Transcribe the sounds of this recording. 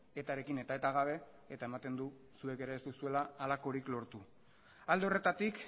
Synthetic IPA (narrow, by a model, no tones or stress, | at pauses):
e̞t̪aɾe̞kine̞t̪ae̞t̪aɣ̞aβ̞e̞ | et̪aemat̪e̞nd̪u | sue̞ke̞ɾaest̪usue̞laːlako̞ɾiklo̞ɾt̪u | ald̪eore̞t̪at̪ik